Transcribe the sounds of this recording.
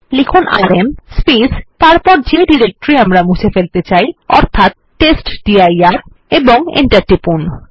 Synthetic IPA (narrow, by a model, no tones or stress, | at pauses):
likʰona̰ɾemspist̪aɾpɔɾd͡ʑeɖiɾek̚ʈoɾiamɾamut͡ɕʰefelt̪et͡ɕajɔ̰ɾt̪ʰat̪̚ʈesʈɖiajaɾ | eboŋḛɳʈaɾʈipun